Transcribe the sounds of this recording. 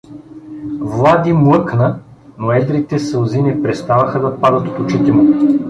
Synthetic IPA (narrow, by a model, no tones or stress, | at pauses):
vlˠad̪imlˠɤknə | noɛd̪ɾit̪ɛsəlˠzinɛpɾɛst̪avəxəd̪ɐpad̪ət̪o̥t̪ʊt͡ʃit̪ɛmʊ